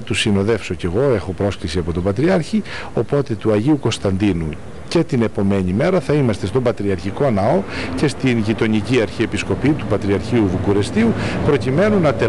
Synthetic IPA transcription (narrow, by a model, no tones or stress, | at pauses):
t̪usino̞ðe̞fso̞ce̞ɣo̞e̞xopɾo̞sklisiɐpo̞t̪o̞bɐt̪ɾiɐɾçi | o̞po̞t̪e̞t̪uɐʝiuko̞st̪ɐnd̪inu | ce̞t̪ine̞po̞me̞ɲime̞ɾɐθɐimɐst̪e̞st̪o̞mbɐt̪ɾiɐɾçiko̞nɐo̞ce̞st̪inʝit̪o̞ɲiciɐɾçie̞pisko̞pit̪upɐt̪ɾiɐɾçiuðukuɾe̞st̪iupɾo̞cime̞nunːɐt̪e